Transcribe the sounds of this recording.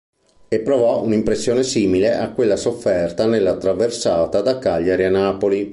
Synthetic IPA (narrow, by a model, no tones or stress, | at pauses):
epːɾovɔunimpɾesːjoːnesiːmileʔakːwelːasofːɛrt̪anelːat̪ːɾaversaːt̪ad̪akaʎːaɾianːaːpoli